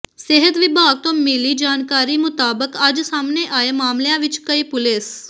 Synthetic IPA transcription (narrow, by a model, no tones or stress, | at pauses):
seɦət̪ʋɪbʱaɡ̚t̪omilid͡ʒaːnkaɾimʊt̪aːbəkad͡ʒsamneʔaemaːmljãʋɪt͡ʃkəipʊles